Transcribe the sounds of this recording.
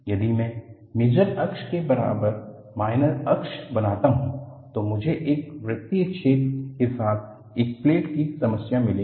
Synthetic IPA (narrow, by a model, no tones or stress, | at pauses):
jɐd̪imɛ̃ː | meːd͡ʒəɾɐkʃkebɐɾa̰ːbəɾ | maːɪnəɾɐkʃbɐnaːt̪aɦũt̪omʊd͡ʒʱeʔeːk̚ʋɾɪkt̪ːit͡ʃʰeːt̪kesaːt̪̚ʰ | eːk̚pleːʈkisɐməsjamɪlẽː